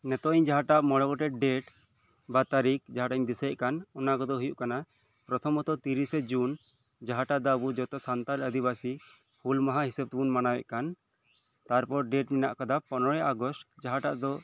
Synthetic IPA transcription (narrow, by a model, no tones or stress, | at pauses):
nɛt̪ɔiɲd͡ʒaɦaʈaʔmɔɽɔɡɔʈɛɖɛʈ | bat̪aɾik̚d͡ʒaɦaʈaiɲd̪isɛɛʔkanɔnakɔd̪ɔɦujuʔkana | pɾɔt̪ʰɔmɔt̪ɔt̪iɾisɛd͡ʒun | d͡ʒaɦaʈad̪abud͡ʒɔt̪ɔsant̪aləd̪iβasi | hulmaɦaɦisɛb̚t̪ɛbunmanawɛ̰ʔkan | t̪aɾpɔɾɖɛʈminaʔkad̪apɔnɔɾɛʔaɡɔsʈd͡ʒaɦaʈa̰ʔd̪ɔ